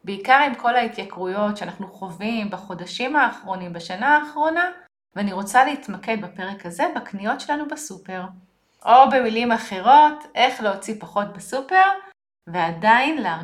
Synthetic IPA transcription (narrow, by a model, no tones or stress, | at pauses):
beikaʁimko̞lait̪jakʁujo̞tʃeanaχnuχo̞vimbaχo̞daʃimaːχʁo̞nimbaʃanaːχʁo̞na | veaniʁo̞t͡saleit̪make̞d̪bape̞ʁekaze̞baknijo̞tʃe̞lanubasupeʁ | ʔo̞be̞milimaχe̞ʁo̞tʔe̞χleot͡sipaχo̞t̚besupe̞ʁ | veadajnlea